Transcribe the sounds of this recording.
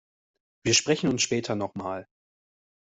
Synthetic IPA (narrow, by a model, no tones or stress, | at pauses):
v̥iːɐʃpʁ̥ɛçn̩ʊnsʃpɛːtʰɐnɔχmaːl